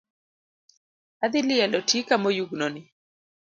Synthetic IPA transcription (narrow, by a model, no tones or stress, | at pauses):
ad̪ɪlɪjalɔtikamɔjuɡnɔnɪ